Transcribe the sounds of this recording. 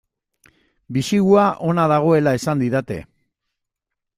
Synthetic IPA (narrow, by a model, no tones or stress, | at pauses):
bisiɣuaʔo̞naðaɣ̞o̞e̞lae̞sand̪iðat̪e̞̰